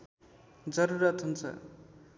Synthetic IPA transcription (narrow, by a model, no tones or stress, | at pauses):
d͡zʌɾuɾʌt̪ɦunt͡sʰʌ̰